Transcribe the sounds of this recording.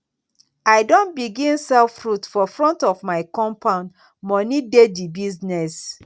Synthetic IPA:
aɪdõnbiɡĩnsɛlfɹutfɔfɹɔ̃ntɔvmaɪkɔ̃mpʰãʊ̃nd | mɔnidedibiznɛs

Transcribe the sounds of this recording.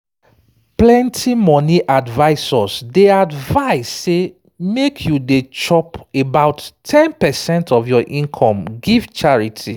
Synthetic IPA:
plɛ̃ntʰimɔniʔadvaɪsɔsdeadvaɪsːe | mekʰjudet͡ʃɔpebaʊtʰɛ̃npɛsɛ̃ntʰɔfjɔʔĩnkʰɔ̃mɡivt͡ʃaɹitʰi

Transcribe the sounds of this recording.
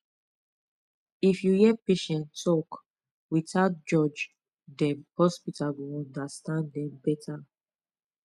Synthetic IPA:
ifjujɛpeʃɛ̃ntʰɔk | witaʊt̚d͡ʒɔd͡ʒ | dɛ̃nhɔspitalwiɔ̃ndastãndɛ̃mbɛtʰa

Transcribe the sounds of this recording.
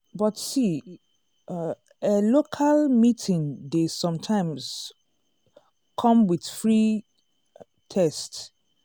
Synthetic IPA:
bɔtsi | elokʰalmitʰĩndesɔ̃mtʰãɪ̃mz̥ | kʰɔ̃mwið̥fɹi | tʰɛsts

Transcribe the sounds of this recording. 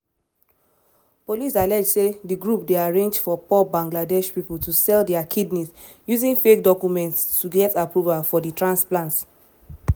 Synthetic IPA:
polisalɛd͡ʒsediɡɹup̚deaɹẽnd͡ʒfɔpɔbãŋɡladɛʃpipultusɛldɛakʰidnit | juzĩnfekdɔkjumɛ̃nttuɡɛtapɹuvafɔditɹãnsplãnt

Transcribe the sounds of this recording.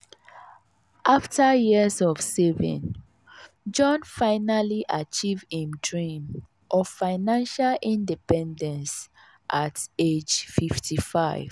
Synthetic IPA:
ʔaftəjiəzɔv̥sevḭ̃n | d͡ʒɔ̃nfaɪnaliʔat͡ʃivĩmdɹĩm | ʔɔvfaɪnãnʃalĩndipɛ̃ndɛ̃ns | ʔated͡ʒfiftʰifaɪv̥

